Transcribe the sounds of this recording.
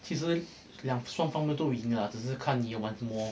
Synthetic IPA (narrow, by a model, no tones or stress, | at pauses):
t͡ɕʰiʂɻ̩ | ljɑŋʂwɑŋfɑŋmjɛnt̪oʊiŋləʈ͡ʂɻ̩ʂɻ̩kʰanijowanʈ͡ʂʰəmwɔ